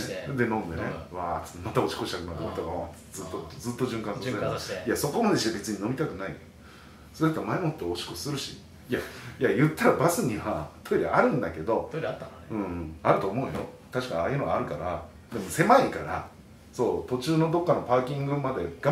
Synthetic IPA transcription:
d̪e̞nõ̞nd̪e̞neβaːsmat̪ao̞t͡ɕi̥koɕi̥t̪akɯ̟nat̪eoit̪oɡaḁ | zɨt̪ːotːd͡zzɨt̪ːoʑɨ̃ŋkãnsoejaso̞ko̞mad̪e̞ɕiabʲit͡sɨɲ̟ino̞mʲit̪akɯ̟nai | soat̪ːamaemot̪ːeot͡ɕi̥kossɨɾɯ̟ɕḭ | jajajɯ̟t̪ːaɾabasɨɲ̟iβat̪o̞eɾʲḭʔaɾɯ̟̃nd̪ake̞d̪o̞ɾt̪ː | ɯ̟̃ːaɾɯ̟t̪o̞ːmo̞ɯ̟̃jo̰ | t̪aɕi̥kaɲaːjɯ̟noɡaːɾɯ̟kaɾa | d̪e̞mo̞se̞maikaɾa | so̞ːt̪o̞t͡ɕɨːno̞d̪o̞kːano̞paːkʲĩŋɡɯmad̪e̞ɡ̥a

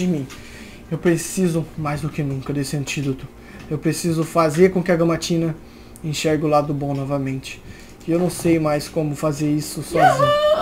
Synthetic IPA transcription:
d͡ʒɪmĩ | ewpɾesizʊmajzd̪ʊkɪnũŋkɐd̪esɪɐ̃nt͡ʃid̪ot̪ʊ | ewpɾesizʊfazeɾkõkɪɐɡɐ̃mat͡ʃĩnɐ | ẽʃɛɾɡɪʊlad̪ʊbõw̃nɔvɐmẽnt͡ʃɪ̥ | ewnɐ̃w̃sejmajskõmʊfazeɾisʊsɔzĩɲʊ

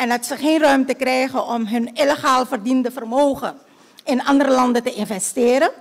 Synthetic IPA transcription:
ɛndɑtsəχeːnrœɥmtəkrɛjχənʔɔmɦɵnɪleχaːlˠfərdindəvərmoːχə̰n | ɪnɑndəɾəlɑndətəʔɪnvɛstɪːɾə

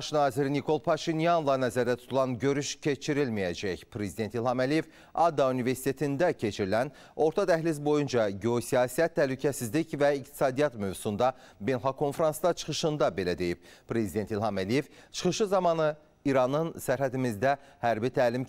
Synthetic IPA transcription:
ɑʃnɑːziɾinikʰo̞lˠpʰɑʃinjanlˠɑnæzæɾd̪æt̪ʰu̥t̪ʰulˠɑnɟø̞ɾyʃcʰe̞t͡ʃʰiɾilmijæd͡ʒæçpʰɾe̞zid̪e̞nt̪ilˠhɑmælije̞v | ɑd̪ːɑunive̞ɾsi̥t̪ʰe̞t̪ʰind̪æcʰe̞t͡ʃʰiɾilæn | o̞ɾt̪ʰɑt̪ʰæhlis̬bo̞jund͡ʒɑɟeosijɑːsiæt̪ʰːæhlycʰæsizlicvæikt̪ʰi̥sɑːd̪ijɑt̪møvsund̪ɑbenɦɑkʰo̞nfɾɑnsd̪ɑt͡ʃʰɯ̥χɯʃɯnd̪ɑbe̞læd̪e̞jip̚pɾe̞zid̪e̞nt̪ilˠhɑmælije̞vt͡ʃʰɯ̥χɯʃɯzɑmɑnɯ | iɾɑnɯnsæɾɦæd̪imizd̪æhæɾbit̪ʰæːlim

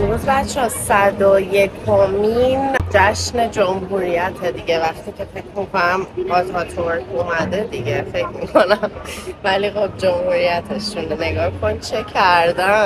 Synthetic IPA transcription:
uzbætt͡ʃʰːɛsæd̪oje̞kʰomind͡ʒæʃne̞d͡ʒomɦuːɾijæt̪ʰed̪iɟe̞væχt̪iːcʰe̞fecʰmikʰo̞næmɒt̪ʰɒt̪ʰoɾkumæd̪ed̪iɟefe̞cʰmikʰo̞næmvælixob̚d͡ʒomhuɾijæt̪ʰeʃunne̞ɡɒːkʰo̞nt͡ʃʰe̞cʰæɾd̪æn

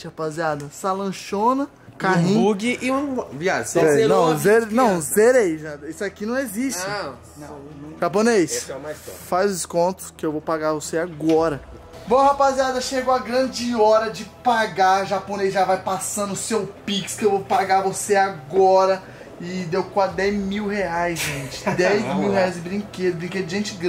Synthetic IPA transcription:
hapaziad̪ɐsalɐ̃ʃõnɐ | kaĩuɡiʔiũviaʒseenɐ̃w̃zeɾnɐ̃w̃zeɾejʒaisʊakinɐ̃w̃eziʃt͡ʃɪ | nɐ̃ʒaponejsɛmajsfazd͡ʒɪskõnt̪ʊ̥skɪewvowpaɡavoseaɡɔɾɐ | bõhapaziad̪ɐʃeɡʊɐɡɾɐ̃d͡ʒɪɔɾɐd͡ʒɪpaɡaʒapõnejzʒavajpasɐ̃nd̪ʊsewpikskɪewvowpaɡavoseaɡɔɾɐ | ɪd̪ewkad̪ɛjzmiwheajzʒẽt͡ʃɪ̥d̪ɛjzmiwɦeajzɪbɾĩked̪ʊbɾĩŋked̪ʊd͡ʒɪʒẽnt͡ʃɪɡɾ̃

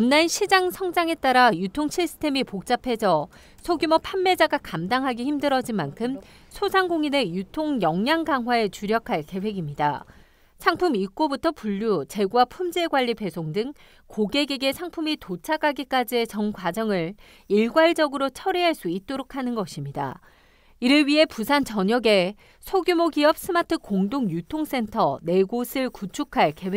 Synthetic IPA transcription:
unːanɕʰid͡ʑaŋsʰʌŋd͡ʑaŋe̞t͈aɾajutʰoŋɕʰisʰɯ̥tʰe̞mipok̚t͡ɕ͈apʰe̞d͡ʑʌ | sʰoɡjumʌpʰanːe̞d͡ʑaɡakamdaŋɦaɡiçimdɯɾʌd͡ʑinmankʰɯm | sʰosʰaŋɡoŋine̞jutʰoŋjʌŋjaŋɡaŋɦwae̞t͡ɕuɾjʌkʰaɭke̞we̞ɡimɲida̰ | sʰaŋpʰumik͈obutʰʌpuʎːut͡ɕe̞ɡuwapʰumd͡ʑeɡwaʎːipe̞sʰoŋdɯŋ | koɡe̞ɡiɡe̞sʰaŋpʰumitot͡ɕʰaɡaɡik͈ad͡ʑie̞t͡ɕʌnɡwad͡ʑʌŋɯɭ | iɭɡwaɭd͡ʑʌɡɯɾot͡ɕʰʌɾiɦaɭs͈uit̚t͈oɾokʰanɯnɡʌɕʰimɲida̰ | iɾɯɭɥiɦe̞pusʰant͡ɕʌɲʌɡe̞ | sʰoɡjumoɡiʌp̚s͈ʰɯmatʰɯkoŋdoŋjutʰoŋs͈e̞ntʰʌne̞ɡosʰɯɭkut͡ɕʰukʰaɭke̞we

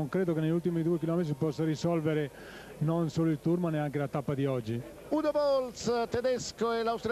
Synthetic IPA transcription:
oŋkɾeːd̪okenːeʎult̪imid̪uekilɔmet̪ɾipɔsːaɾisɔlveɾe | nonsoːloilt̪uɾmanɛaŋkelat̪apːad̪iɔd͡ʒːi | unovɔlst̪ed̪ɛskoɛlawst̪ɾ

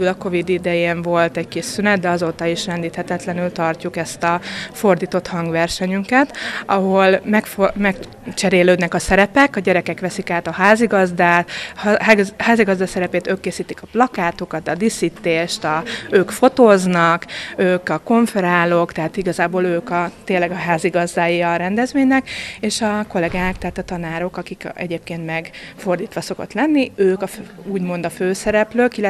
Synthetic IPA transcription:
ylɒko̞vid̪id̪ɛjeːɱvo̞lt̪ɛɟkiʃsynɛd̪̚d̪ɛɒzoːt̪ɒiʃrɛnd̪iːt̪hɛt̪ɛt̪lɛnylt̪ɒrcukɛst̪ɒfo̞rd̪iːt̪o̞t̪hɒŋɡʋɛrʃɛɲyŋkɛt̪ɒɦo̞lmɛkfmɛk | t͡ʃɛɾeːløːd̪nɛkɒsɛɾɛpɛkɒɟɛɾɛkɛkʋɛsikaːt̪ɒhaːziɡɒzd̪aːt̪ | haːziɡɒzd̪asɛɾɛpeːt̪øːkːeːsiːt̪ikɒplɒkaːt̪okɒt̪ɒd̪isit̪ːeːʃt̪ɒøːkfo̞t̪oːznɒkøːkɒko̞ɱfɛɾaːlo̞kt̪ɛɦaːt̪iɡɒzaːboːløːkɒt̪eːlːɛɡɒɦaːziɡɒzd̪aːjiɒɾɛnd̪ɛzʋeːɲnɛkeːʃɒko̞lɛɡaːkt̪ɛɦaːt̪ɒt̪ɒnaːɾo̞kɒkikɛ̰ɟeːp̚keːnt̪mɛɡfo̞rd̪iːt̪ʋɒso̞ko̞̰t̪lɛnːiøːkɒfuːɟmo̞nd̪ɒføːsɛɾɛpløːkilːɛ

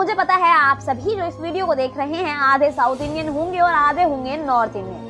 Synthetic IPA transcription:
ʊd͡ʒʱepɐt̪aɦɛaːpsɐbʱid͡ʒoːɪsʋiːɖijokod̪eːkʰɾɐɦẽɦɛ̃aːd̪ʱesaːʊt̪ɪ̃nɖijənɦõːŋɡeɔːɾaːd̪ʱeɦõːŋɡenɔːɾt̪ɪ̃njə̃

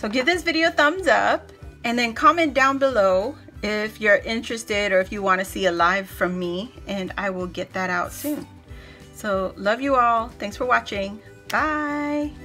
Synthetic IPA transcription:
soʊɡɪvðɪsvɪɾioʊθʌ̃mzʌ̰p̚ | ɨ̃nðɨ̃nkʰɑmɛ̃nd̥ãʊ̃nbəloʊ | ɪfjə˞ʔɪ̃nt͡ʃɹ̥ɨstɪɾə˞ɨfjɨwɑ̃ñɨsiɨlaɪv̥fɹʌ̃mːiɨ̃na̰ɪwɪlˠɡɛt̪̚ðɨɾaʊtsʉ̃n | soʊlʌvjɨɔlˠθæ̃ŋksfə˞wɑt͡ʃɪ̃ŋ | b̥aɪ

